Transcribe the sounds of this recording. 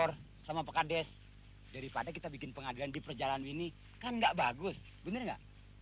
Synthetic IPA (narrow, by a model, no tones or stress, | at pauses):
ɔr | samapəkadɛs | daɾipadak̬it̪abikɪnpəŋadilandipərd͡ʒalanwini | kanŋɡaʔbaɡʊs | bənərŋɡa̰ʔ